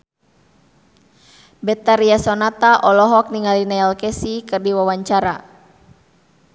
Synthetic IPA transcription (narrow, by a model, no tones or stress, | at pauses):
bɛt̪aɾiasɔnat̪aʔɔlɔɦɔk̚niŋalinaalkɛsikɨrdiwawaɲt͡ʃaɾa̰